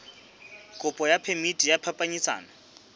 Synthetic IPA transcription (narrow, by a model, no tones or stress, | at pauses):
kʼʊpʼɔjapʰemitʼijapʰapʼaɲit͡sa̰ːnɔ